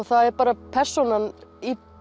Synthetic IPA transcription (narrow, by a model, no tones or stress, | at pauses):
ɣθaðɛɾpaːɾapʰɛr̥sunani